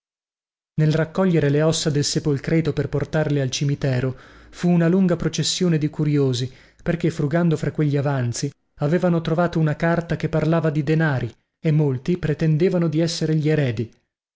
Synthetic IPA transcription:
nelrakːɔʎːeɾeleɔsːad̪elsepolkɾɛːt̪operport̪arlealt͡ʃimit̪ɛːɾofuːnaluŋɡapɾot͡ʃesːjoːned̪ikuɾjoːzi | perkefɾuɡand̪ofɾakːweʎːiavant̪si | aveːvanot̪ɾovaːt̪ounakart̪akepːarlaːvad̪id̪enaːɾi | emːolt̪ipɾet̪end̪eːvanod̪iɛsːeɾeʎieɾɛːd̪i

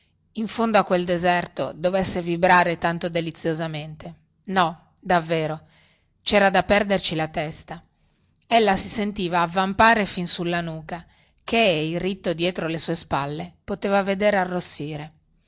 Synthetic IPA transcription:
iɱfond̪oakːweld̪ezɛrt̪o̰d̪ovesːevibɾaːɾet̪ant̪od̪elit̪sːjozament̪e | nɔ | d̪avːeːɾo | t͡ʃɛːɾad̪apɛrd̪ert͡ʃilat̪ɛst̪a | elːasisent̪iːvaːvːampaːɾefinsulːanuːka | keilrit̪ːod̪jɛːt̪ɾolesuːespalːepot̪eːvaved̪eːɾearːosːiːɾe

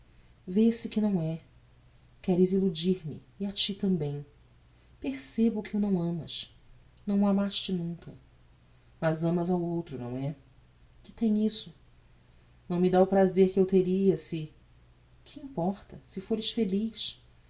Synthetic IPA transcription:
vesɪkɪnɐ̃w̃ɛ | kɛɾɪzilud͡ʒiɾmɪ̰ | iat͡ʃit̪ɐ̃mbẽj̃ | peɾsebʊkɪunɐ̃w̃ɐ̃mɐ̰ʃ | nɐ̃w̃amaʃt͡ʃɪnũŋkɐ̰ | mɐzɐ̃mɐzawowt̪ɾʊnɐ̰̃w̃ɛ | kɪ̥t̪ẽj̃isʊ | nɐ̃w̃mɪd̪aʊpɾazeɾkɪewt̪eɾiɐsɪ | kʰɪĩpɔɾt̪ɐsɪfoɾɪʃfeliʃ

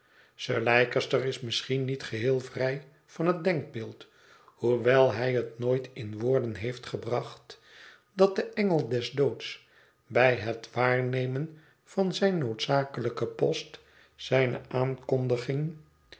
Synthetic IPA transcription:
səɹlɛjkəstəɹɪsmɪsχinitχəɦɪːlˠvrɛj | v̥ɑnɦət̚dɛŋɡ̚bɪːlˠt | huʋɛlˠɦɛjətnoːjtʰɪnʋoːɹdənɦejftχəbrɑχt | d̥ɑt̚dəʔɛŋəlˠdɛzdowts | bɛjɦətʋaːɹnejmən | v̥ɑnzɛjnːowtsaːkələkəpɔst | sɛjnə̰ʔaːnkɔndəχɪŋ

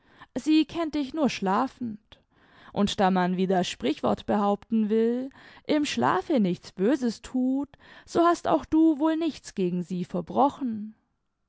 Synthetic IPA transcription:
ziːkʰɛnt̚d̥ɪçnuːɐʃlaːfn̩t | ʔʊntd̥aːmanviːdasʃpʁ̥ɪçv̥ɔ̰ɐtb̥əhaʊptn̩vɪlʔɪmʃla̰ːfənɪçt͡sb̥øːzəstʰuːtz̥oːhasta̰ʊxd̥uːvoːlnɪçt͡sɡ̥eːɡŋ̩ziːfɛɐbʁɔxn̩

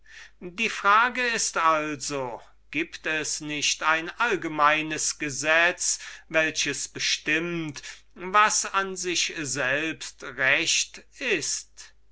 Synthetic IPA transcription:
diːfʁ̥aːɡəɪstalzo | ɡ̥iːptɛsnɪʃtaɪnʔalɡəmaɪnəsɡ̥əzɛt͡svɛlɕəsb̥əʃtɪmt | vasanzɪʃzɛlpstʁɛʃtɪst

